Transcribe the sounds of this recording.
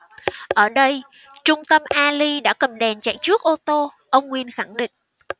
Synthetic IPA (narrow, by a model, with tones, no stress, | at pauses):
ʔəː˧˩ɗə˧j | t͡ɕʊ˧ŋ͡mt̪ə˧mʔaː˧li˧ɗa̰ː˧˥kə˨˩mɗɛ˨˩nt͡ɕa̰˧˨jt͡ɕɨ˦˥ək̚ʔo˧t̪o˧ | ʔə˧wŋ͡mŋwi˨˩ənxa˧˩ŋɗḭ̈˧˨ŋ̟